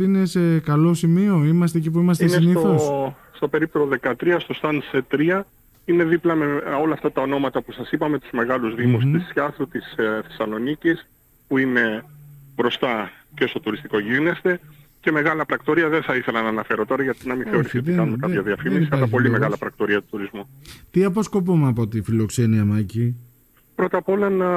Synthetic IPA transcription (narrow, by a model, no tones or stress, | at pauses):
inese̞kɐlo̞simio̞imɐs̬t̪ecip̬uimɐs̬t̪enesniθoo | st̪ope̞ɾip̚t̪oðe̞kɐt̪ɾiɐst̪o̞st̪ɐnset̪ɾiɐ | ine̞ðiplɐmeo̞lɐːft̪ɐt̪ɐo̞no̞mɐt̪ɐpusɐsipɐme̞t̪uzme̞ɣɐluzðimust̪isːçɐθut̪isθe̞sɐlo̞nicis | puine̞bɾo̞st̪ɐ | cest̪o̞t̪uɾist̪iko̞ʝine̞st̪e̞ce̞me̞ɣɐlɐpɾɐkt̪o̞ɾiɐðeθɐiθe̞lɐnɐːnɐfe̞ɾo̞t̪o̞ɾɐʝɐt̪inɐminθe̞o̞ɾisiot̪ikɐnumekɐçɐðiɐfimisiɐlɐpo̞limeɣɐlɐpɾɐk̚t̪o̞ɾiɐt̪u̥t̪uɾizmut̪iɐpo̞sko̞pumeɐpo̞t̪ifilo̞kse̞niɐmɐci | pɾo̞t̪ɐpo̞lɐnɐ